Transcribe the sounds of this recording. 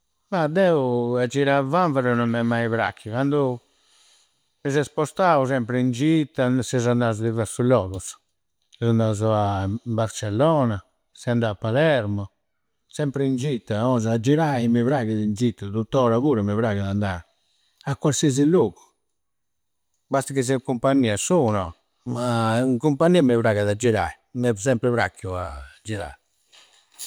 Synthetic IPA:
mad̪ɛːuad͡ʒːiɾavaɱvaɾɔnɔmːɛmːaiβɾa̰kʰːikand̪u | mizɛspɔst̪aːusɛmpɾɛind͡ʒit̪ːasɛzand̪aːzud̪ivɛɾsulɔːɣus | ɛzand̪azuambaɾt͡ʃɛlːɔːna | sɛnd̪aapːalɛɾmɔ | sɛmpɾɛind͡ʒit̪ːaɔzaad͡ʒːiɾaimivɾaɣaðind̪zit̪ːat̪ut̪ːɔːɾaɣuːɾɛmɛvɾaːɣaðand̪aːɾ | akːwaɾsiɛziloːɣu̥ | bast̪akis̬ɛkumpanːiːasunɔ̰ | maiŋkumpanːiːamɛvɾaɣaðad͡ʒːiɾa̰i | mɛsɛmpɾɛvɾa̰kʰːjua̰d͡ʒiɾa̰ː

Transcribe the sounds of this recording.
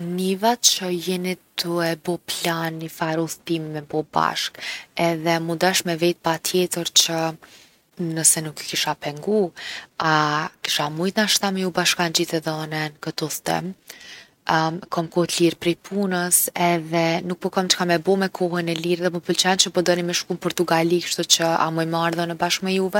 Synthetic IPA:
nivat͡ʃəjɛnit̪uɛbɔplanifaɾuθt̪imimɛbɔba̰ʃkɛðɛmund̪aʃmɛvɛt̪̚pat̪ʰjɛt̪əɾt͡ʃə | nəsɛnukkiʃapɛŋɡuaki̥ʃamujt̪naʃt̪amɛjubaʃkand͡ʑiθɛðɔnɛnkət̪ɔθt̪ɛ̰m | kɔmkɔht̪liɾpɾɛjpʰunəsɛðɛnuk̚pɔkɔmt͡ʃə̥kamɛbɔmɛkʰɔhənɛliɾðɛpɔpəlt͡ʃant͡ʃəpɔd̪ɔnimɛʃkumpɔɾt̪uɡalikʃt̪ɔt͡ʃəa̰mɔjmaɾðɔnəbaʃkmɛjuvɛ

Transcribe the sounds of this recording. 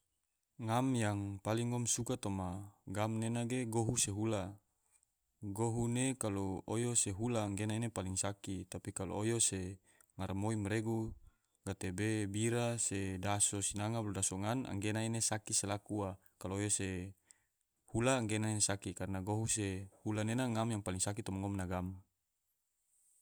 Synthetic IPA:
ŋamjaŋpaliŋːɔmsukat̪omaɡamnenaɡeɡoɦuseɦula | ɡoɦunekaloojoseɦulaːŋɡenainepaliŋsakit̪apikalo̰ojose | ŋarmoimɾeɡu | ɡat̪ebebiɾasedasosinaŋablodasoŋana̰ŋɡenainesakiselakua | kaloːjose | hulaːŋɡenaensakikaɾnaɡoɦusehulanenaŋamjaŋpaliŋsak̬it̪ɔmaŋɔmnaɡam

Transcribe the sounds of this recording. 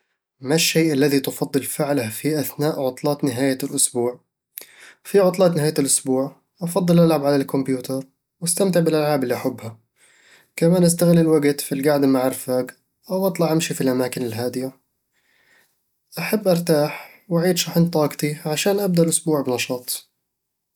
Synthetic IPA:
maʃːejʔalːaðit̪ʊfɑd̪ˤːɨlfɪʕlahfiʔaθnaːʔʕʊt̪ˤlɑːt̪nɪɦaːjalʔʊsbuːʕ | fiʕʊt̪ˤlɑːt̪nɪɦaːjalʔʊsbuːʕ | ʔɑfɑd̪ˤːɨlʔalʕabʕalalkʊmpjuːt̪ʰɑɾˤ | wast̪amt̪ɪʕbɪlʔalʕaːbɪlːiʔaħʊbːha | kamaːnʔas̬t̪aɣɪlɪlwaɡt̪filɡaʕd̪maʕɪɾfaːɡ | ʔawʔɑt̪ˤlɑʕʔamʃifilʔamaːkɪnɪlɦaːd̪ɪja | ʔaħabːʔɑɾˤt̪aːħ | waʕiːd̪ʃɑħɪnt̪ˤɑːɡt̪iʕaʃaːnʔab̚d̪aʔlʔʊsbuːʕbnɑʃɑːt̪ˤ

